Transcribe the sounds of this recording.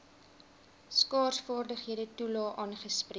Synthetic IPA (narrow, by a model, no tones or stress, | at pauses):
skɑːrsfɑːrdəχɦiədətulɑːʔɑːnχəspri